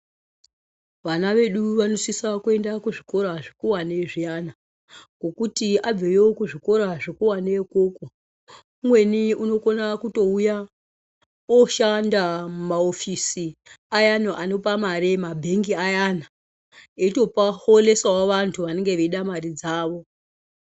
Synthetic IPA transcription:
ʋanaʋe̞ɗuʋanosisakue̞ndakuʐiko̞ɾaʐikuwaneʐiana | kɡo̞kutiʔab͡vejeokuʐiko̞ɾaʐikuwanekoka | umwe̞niuno̞konakuto̞uja | oʃandamumaofisi | ajanoʔanopamaɾemabʱe̞ŋɡiajana | eito̞pahole̞sawaʋantʰuʋane̞ŋɡe̞ʋeiɗamarid͡zaːʋo̞

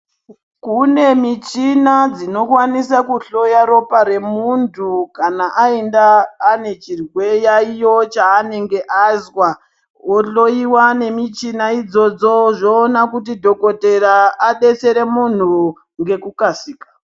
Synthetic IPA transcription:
kune̞mit͡ʃinad͡zino̞kwanisakuɬo̞jaɾo̞paɾe̞muntʰukanaʔaendaːne̞t͡ʃirwe̞jaijo̞t͡ʃaːne̞ŋɡe̞ʔazwa | woɬo̞iwane̞mit͡ʃinaid͡zo̞d͡zo̞ʐoːnakutidʱo̞ko̞te̞raːɗe̞t͡se̞ɾe̞mun̤u | ŋɡe̞kukasiːkḁ

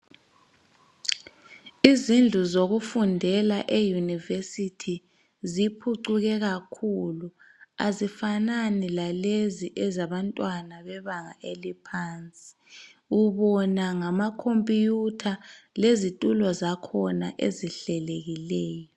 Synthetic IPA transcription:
izind͡ɮʱuzoɣufundʱɛlaʔejunivesitʰi | zipʰuǀuɣɛɣakʰulu | a̰zifananilaleziʔɛzaβantʼwanaβɛβaŋa̰ʔelipʰaːnt͡sʼi̥ | uβɔnaŋamakʰompʼijutʰalezitʼulɔzakʰɔnaʔeziɬɛleɣilɛːjɔ

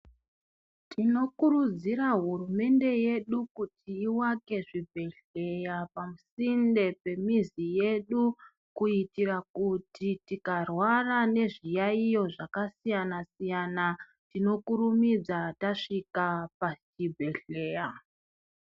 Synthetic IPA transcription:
tʰino̞kurud͡ziɾaɦurume̞nde̞je̞ɗukutʰiːwake̞ʐibʱe̞ɬe̞japamusinde̞pe̞mizije̞ɗu | kuitirakutʰitikarwarane̞ʐijaijo̞ʐakasijanasijana | tino̞kuɾumid͡zataʂikapat͡ʃibʱe̞ɬe̞ːja

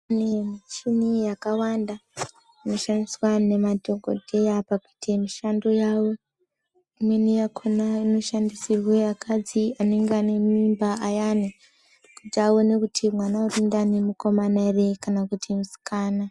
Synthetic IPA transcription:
anemit͡ʃinijakawanda | ino̞ʃandiswane̞mado̞ɡʱo̞̰de̞japakuitʰe̞miʃando̞jawo̞ | imwe̞nijakʰonaino̞ʃandisirwe̞akʰad͡ziane̞ŋɡeane̞mimbaʔajani | kud͡ʒaone̞kutʰimwanaurindane̞muko̞manare̞kanakutʰimusi̥kaːna

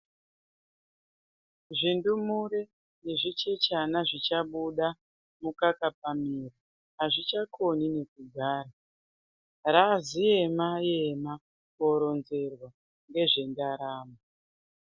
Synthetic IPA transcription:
ʐindumuɾe | neʐit͡ʃe̞t͡ʃanaʐit͡ʃaɓuɗa | mukakap̚amiri | ɦaʐit͡ʃakʰonine̞kuɡʱaːra | razije̞maje̞ma | ko̞ɾo̞nze̞rwa | ŋɡe̞ʐe̞ndaɾaːma

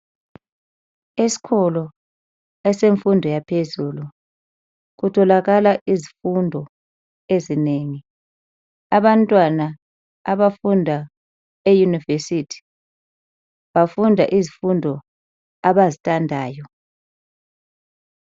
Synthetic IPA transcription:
esi̥kʰɔlɔ | ɛseɱfundʱɔjapʰezuːlu | ɣutʰɔlaɣalaʔizifundʱɔ | ezineŋi | aβantʼwanaː | βafundʱa | ejunivesitʰi̥ | βafundʱa̰ʔizifundʱɔ | aβazitʼandʱaːjɔ

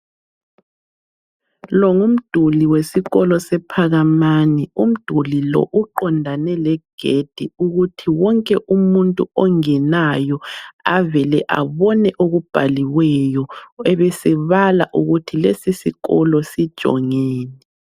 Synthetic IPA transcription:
lɔŋum̩d̥ʱuliwesiɣɔlɔsɛpʰaɣamanɛum̩d̥ʱulilɔ̰ʔuǃɔndʱanɛlɛɡ̥ʱed̥ʱiuɣutʰiwɔŋkʼɛʔumuntʼuɔŋɛnajɔavɛlɛʔa̰βɔnɛʔoɣub̥ʱaliwɛjɔɛβɛsɛβala̰ʔuɣutʰilesisiɣɔlɔsid̥ʒ̥ʱɔ̰ŋɛːnɛ

